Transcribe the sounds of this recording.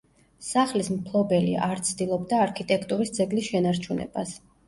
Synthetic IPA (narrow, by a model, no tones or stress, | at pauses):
saχlismpʰlˠɔbɛlḭaɾt̪sʰd̪ilˠɔbd̪aːɾkʰit̪ʼɛkʰt̪ʼuɾisd̪zɛɡlisʃɛnaɾt͡ʃʰunɛ̰b̥as